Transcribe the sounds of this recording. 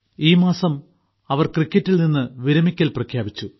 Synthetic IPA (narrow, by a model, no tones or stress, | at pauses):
iːmaːsɐm | ɐʋɐrkrikʲːɐtːilninːɨʋiɾɐmikʲːɐlprɐkʰjaːbit͡ɕːu